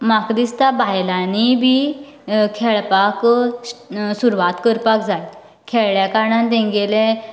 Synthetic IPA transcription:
makd̪ist̪abʱajlanibʱi | kʰeɭpak | suɾʋat̪kəɾpakd͡zaj | kʰɛɭɭjakaɾɳãnd̪ẽŋɡelẽ

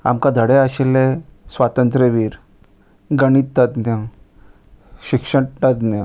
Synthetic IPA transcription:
a̰mkãd̪ʱəɽeaɕelesʋat̪ənt̪ɾeʋiːɾ | ɡəɽ̃it̪ːat̪nã | ɕikʂət̪ːat̪nã

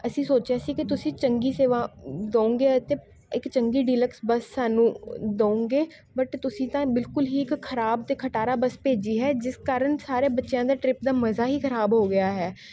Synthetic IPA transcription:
əsĩːsoːt͡ʃjaːsiːkɪt̪ʊsĩːt͡ʃəŋɡiːseːʋãːd̪õːõːŋɡeːət̪eː | ɪkt͡ʃəŋɡiːɖiːləksbəsːaːnũːd̪oːõːŋɡeː | bəʈt̪ʊsĩːt̪ãːbɪlkʊlɦiːɪkkʰːəɾaːb̚t̪eːkʰəʈaːɾaːbəspeːd͡ʒiːɦɛːd͡ʒɪskaːɾəɳsaːɾeːbətːʃjãːd̪aːʈɾɪp̚d̪aːməzaːɦiːkʰəɾaːbɦoːɡɪjaːɦɛː

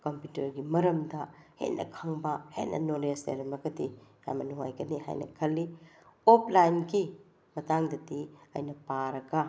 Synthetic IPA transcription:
kɐmputɐɾɡimɐɾɐmdɐhḛnʔɐ̰kʰɐŋbɐhḛnʔɐ̰nolesḛɾɐmɐɡɐdija̰mɐnuŋa̰jkɐniɦa̰jnɐ̰kʰɐlːi | opʰlajnɡi | mɐtaŋdɐdiɐ̰jnɐpaɾɐɡɐ

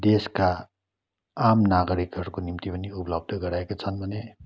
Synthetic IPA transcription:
d̪eska | amnaɡʌɾikɦʌrkonimt̪ipʌniupʌlʌb̚d̪ʱʌɡʌɾaekot͡sʰʌnbʱʌne

